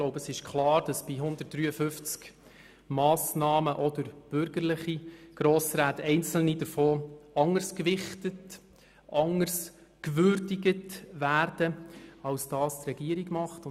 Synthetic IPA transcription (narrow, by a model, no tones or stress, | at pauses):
ɡloʊbəsɪʃkʰlɑːɾd̥ɑsb̥iɦʊnd̪ət̚d̥ɾyːəfʏft͡sk | mɑːsnɑːməʔɔd̪əɾb̥ʏɾɡəɾlɪχiɡ̥ɾoːsɾaːtɛɪnt͡sl̩nidəɾfoːɑŋəɾskʋɪχtət | ʔɑŋəɾs | kʋʏɾdiɡətvæːɾd̥əɑlsd̥ɑːstrɛɡiəɾiɡmɑχtʊ